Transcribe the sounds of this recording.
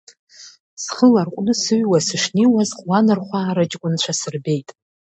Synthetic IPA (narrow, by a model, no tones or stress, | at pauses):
sχəlarqʷʼnɨsɨɥwasɨʂniwazqʼwanɨrχʷaːɾad͡ʒʼkʷʼʊnt͡ʃʷʰasɨrbe̞jtʼ